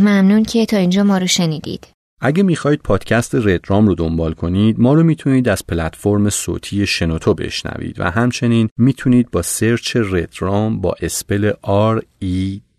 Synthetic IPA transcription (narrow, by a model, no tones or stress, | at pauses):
mæmnuncʰet̪ʰɒːind͡ʒɒːmɒːɾoʃe̞niːd̪ḭːd̪̥ | ʔæɟemiːxɒːiːd̪̚pʰɒːd̪̥cʰæst̪ʰe̞re̞d̪ɾɒːmrod̪o̞mbɒːlkʰo̞nid̪mɒːɾomiːt̪ʰuniːd̪æz̥pʰelæt̪ʰfo̞ɾme̞so̰ːt̪ʰiːje̞ʃe̞not̪ʰobe̞̰ʃnæ̰vḭːd̪væ̰ɦæmt͡ʃʰe̞niːnmiːt̪ʰuniːd̪̚bɒːseɾt͡ʃʰe̞red̪ɾɒːmbɒ̰ːʔe̞spe̞leʔɒɾi